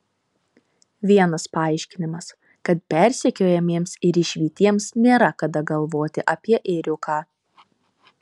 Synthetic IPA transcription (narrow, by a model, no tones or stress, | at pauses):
ʋʲiɛnɐspɐɑˑɪʃʲkʲɪnʲɪmɐs | kɐt̪̚pʲɛˑɾʲsʲɛkʲoːjɛmʲiɛmsɪɾɪʃʲʋʲiːt̪ʲiɛmsnʲeːɾɐkɐd̪ɐɡɐlˠʋoːt̪ʲɪʔɐpʲiɛʔɛɾʲʊkʰɑː